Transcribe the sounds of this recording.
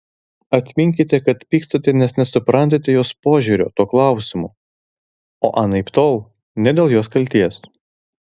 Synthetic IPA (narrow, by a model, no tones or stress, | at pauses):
ɐt̪ʲmʲɪŋʲkʲɪt̪ʲɛkɐt̪pʲiːkst̪ot̪ʲɛnʲɛsnʲɛsʊpɾɐnʲt̪ʲet̪ʲɛjoːspoːʒʲuːɾʲo̰ːt̪oːklˠɑˑʊsʲɪmṵː | o̰ːʔɑnɐɪpt̪oːlˠ | nʲɛd̪ʲeːlˠjoːskɐlʲt̪ʲiɛs